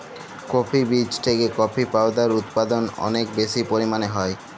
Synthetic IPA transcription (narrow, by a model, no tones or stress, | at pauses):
kɔpʰibit͡ɕt̪ʰekekɔpʰipaod̪aɾut̪pad̪onɔ̰nek̚beʃipoɾimaneɦɔe